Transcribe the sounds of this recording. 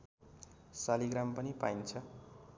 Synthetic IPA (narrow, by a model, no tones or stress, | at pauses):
saliɡɾampʌnipajnt͡sʰʌ